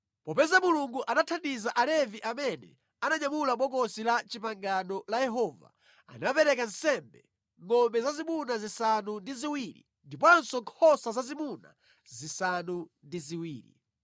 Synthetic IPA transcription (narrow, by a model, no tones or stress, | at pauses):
pɔpɛzamuluŋɡuʔanatʰandizaʔalɛviʔamɛnɛ̰ | anaɲamulaɓɔkɔsilat͡ʃipaŋɡanɔlajɛɦɔːva̰ | a̰napɛɾɛkan̩sɛmbɛ̰ | ŋɔmbɛzazimunazisanundiziwilḭ | ndip̬ɔnsɔŋkʰɔsazazimuna̰ | zisanundiziwiːlḭ